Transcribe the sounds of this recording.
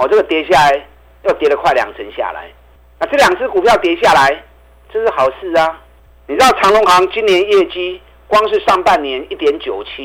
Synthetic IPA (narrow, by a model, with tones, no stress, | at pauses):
ɔ˨˩t͡sə˥˩ɡə˨t̪jɛ˨˧˥ɕja˥˩la˨˧˦ɪ | jo˥˩ʊt̪jɛ˨˦ɾə˨kʰwa˥˩ɪlja̰˨˩ŋt͡sʰə˨˦nɕja̰˥˨la̰˨˦ɪ | na˥˧t͡sɤ˥˩lja˨˩ŋt͡s̩ʰ˥˩ku˨˩pʰjɑ˥˩ʊt̪jɛ˨˧˦ɕja˥˩la˨˦ɪ | t͡sɤ˥˧ʂ̩˥˩ha˨˩ʊsɹ̩˥˧˨a˧ | ni˨t͡sɻ̩˥d̪ɑ˥˩ɑ˧˥ŋlʊ˧˥ŋxɑ˨˦ŋt͡ɕi˦˥nːjɛ˨˦njɛ˥˩t͡ɕi˦ | kwɑ˦ŋʂɻ̩˥˧ʂɑ˥˧ŋpa˥˨nːjɛ˨˦ni˥˩t̪jɛ˨˧˦nt͡ɕjo˨˩ʊt͡ɕʰi˦